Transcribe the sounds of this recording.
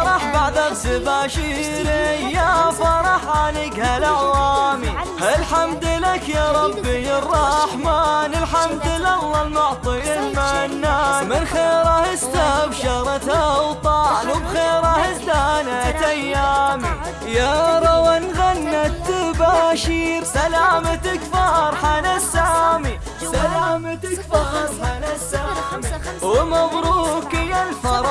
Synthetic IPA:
ɾˤɑħbaʕðabzɪbaːʃiɾijafɑɾˤɑħʕanɪkhalaʕwaːmi | halħamd̪lakjaɾˤɑbːirˤːɑħmaːnɪlħamd̪ɪlʔalːɑlmʊʕt̪ˤiɪlmanːanmɪnxeːɾahɪst̪abʃɑɾˤɑt̪awt̪ˤɑːlwbɣeːɾahɪzd̪aːnat̪ʔajːaːmi | jaɾˤɑwanɣanːat̪ːabaːʃiːɾsalaːmat̪akfɑːɾˤħanasːaːmi | salaːmaakbɑɾˤħaasamiwɪmaðɾuːkɪjalfɑɾˤɑ

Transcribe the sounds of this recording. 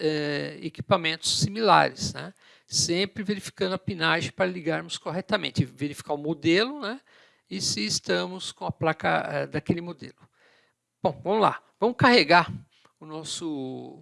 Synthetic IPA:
ɛeki̥pamẽnt̪ʊ̥sːimila̰ɾɪsnɛ̰ | sẽpɾɪveɾifi̥kɐ̃nd̪ʊɐpinaʒẽj̃paɾɐliɡaɾmʊskoɦɛt̪ɐmḛ̃nt͡ʃɪveɾifi̥kaɾʊmod̪elʊnɛ | ɪsɪːst̪ɐ̃mʊskõɐplakɐ̰ɛd̪akelɪmod̪ḛlʊ | b̥õw̃vɐ̃mʊla̰vɐ̃mʊkaɦeɡaɾ | ʊnɔsʊ

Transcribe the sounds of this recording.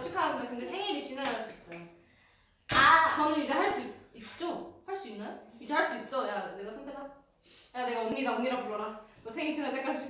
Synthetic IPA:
t͡ɕʰikʰaaɡɯnakɯndesʰe̞ŋibit͡ɕinaɾɦaɭs͈uit̚t͈ajo | akʌnɯnid͡ʑe̞haɭs͈uiit̚t͡ɕ͈ohaɭs͈uinːajoid͡ʑe̞haɭs͈uit̚t͡ɕ͈ʌjane̞ɡasʰandʰeda | jane̞ɡaoŋɲːiɡaoŋɲiɾapuɾʌɾatosʰeŋiɕʰinɯt͈ak͈ad͡ʑʰi

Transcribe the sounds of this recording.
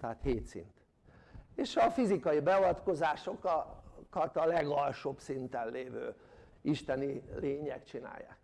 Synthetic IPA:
t̪ɛɦaːt̪heːt̪sḭnt̪ | eːʃɒfizikɒjibɛovɒt̪ko̞zaːʃo̞kkɒt̪ɒlɛɡɒlʃobsint̪ɛnleːvø̰ː | iʃt̪ɛnileːɲɛ̰kt͡ʃina̰ːjːa̰ːk

